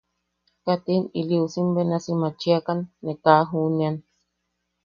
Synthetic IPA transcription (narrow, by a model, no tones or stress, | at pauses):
kat̪iniliusimbenasimat͡ʃiakanːekaɦunian